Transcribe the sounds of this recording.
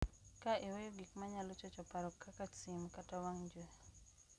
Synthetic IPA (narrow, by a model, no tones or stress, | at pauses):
kaʔewejoɡikmaɲalɔt͡ʃɔt͡ʃɔpaɾɔkːakat͡ʃsimkatawaŋɲd͡ʒwe